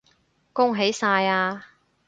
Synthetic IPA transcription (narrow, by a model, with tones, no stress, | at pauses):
kʊ˥ŋɦe˨˥jsaː˧jaː˧